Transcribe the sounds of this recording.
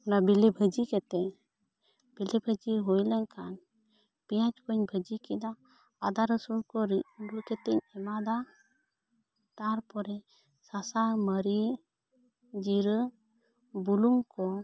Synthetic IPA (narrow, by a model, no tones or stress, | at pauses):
ɔnabilɛbʱəd͡ʒikɛt̪ɛ | b̥ilɛbʱəd͡ʒiɦujlɛnkan | pijãt͡ʃkɔɲbʱəd͡ʒikid̪aː | d̪aɾəsuɾkɔɾiɾuɾkɛt̪ɛɲɛmad̪a | t̪aɾpɔɾɛ | sasaməɾi | d͡ʒiɾə | buluŋkɔ